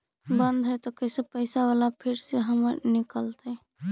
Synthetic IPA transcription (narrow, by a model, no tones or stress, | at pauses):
bənd̪ʱɦəjt̪ɔkəɪsepəɪsaʋalapʰiɾseɦəməɾnikəlt̪ə